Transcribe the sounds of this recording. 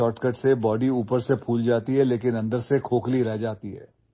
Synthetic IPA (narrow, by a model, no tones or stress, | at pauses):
ɔːʈkəʈsebɔːɖiuːpəɾsepʰuːld͡ʒaːt̪iɦɛleːkɪnɐ̃nd̪əɾsekʰoːkliɾɛɦd͡ʒaːt̪iɦɛ̰ː